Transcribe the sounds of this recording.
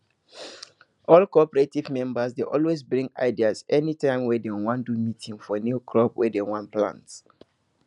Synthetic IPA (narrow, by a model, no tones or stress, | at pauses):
ʔɔlkɔpəɹetivmɛ̃mbəsdeʔɔlwesbɹĩŋɡa̰ɪdiazɛnitʰãɪ̃mwɛdɛ̃wãndumitʰĩŋfɔnjukʰɹɔpwɛdɛ̃nwãnplã̰nts